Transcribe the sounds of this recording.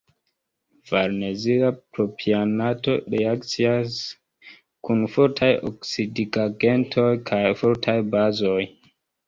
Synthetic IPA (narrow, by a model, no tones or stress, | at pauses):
vaɾneziapɾopʰianato̞ɾeakt͡sias | kunfoɾtʰajo̰ksidiɡaɡentʰojkʰajfoɾtʰajbazoj